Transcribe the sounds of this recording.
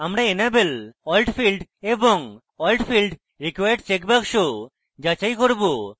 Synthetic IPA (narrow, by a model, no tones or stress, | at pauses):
amɾaenabelɔjlʈpʰilɖeboŋ | ɔjlʈpʰilɖ | ɾikwajɖt͡ɕekbakʃo | d͡ʒat͡ɕajkoɾbo